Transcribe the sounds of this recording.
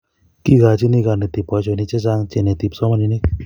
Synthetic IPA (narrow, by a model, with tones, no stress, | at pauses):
ki˦ɡa˨t͡ʃi˦ni˦˧ɡa˧˨ne˨t̪i˨pɔ˧t͡ʃo˧ni˧t͡ʃe˦t͡ʃa˧ŋt͡ʃe˧ne˨t̪i˨˧psɔ˦ma˧ni˧ni˦k